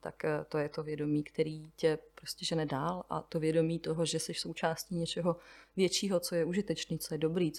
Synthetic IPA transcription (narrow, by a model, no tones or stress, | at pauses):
t̪a̰kːt̪o̞jɛt̪o̞vjɛdo̞miːkt̪ɛɾiːcɛpɾoscɛʒɛnɛdaːlʔa̰t̪o̞vjɛdo̞miːt̪oɦoʒɛsɛʃso̞wt͡ʃaːsciːɲɛt͡ʃɛɦo̞vjɛt͡ʃiːɦo̞t͡sojɛuʒɪt̪ɛt͡ʃniːt͡sojɛdo̞bɾiː